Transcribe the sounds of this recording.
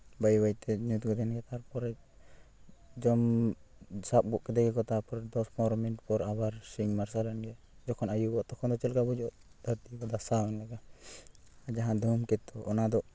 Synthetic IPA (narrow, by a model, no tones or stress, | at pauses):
bajbajt̪ɛɲut̪̚ɡɔd̪ɛnɡɛt̪aɾpɔɾɛ | d͡ʒɔm | sap̚bɔʔkɛd̪ɛɡɛkɔt̪apɔɾɛd̪ɔspɔɾminʈpɔɾabaɾsiŋmaɾsalɛnɡɛ | d͡ʒɔkʰɔnajubɔʔt̪ɔkʰɔnd̪ɔt͡ʃɛlkabɔd͡ʒuɔʔd̪ʱaɾʈ̪ibad̪asaanlaɡa | ad͡ʒaɦãd̪ʱumkɛt̪ːɔʔːnad̪ɔʔ